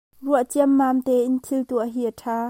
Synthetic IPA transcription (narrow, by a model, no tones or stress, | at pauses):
ruəʔt͡siəmːaːmt̪ɛʔɪnt̪ʰɪlt̪uʔəɦiʔətʰaː